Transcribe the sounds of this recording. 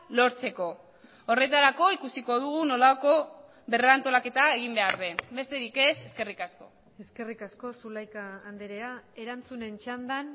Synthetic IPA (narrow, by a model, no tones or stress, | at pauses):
lo̞ɾt͡se̞ko̞ | ore̞t̪aɾako̞ikusiko̞ð̞uɣuno̞lako̞ | βe̞reant̪o̞lake̞t̪ae̞ɣ̞imbe̞aɾðe̞be̞st̪e̞ɾike̞se̞ske̞rikasko̞ | e̞ske̞rikasko̞sulajkaːnd̪eɾeae̞ɾant͡sune̞nt͡ʃand̪an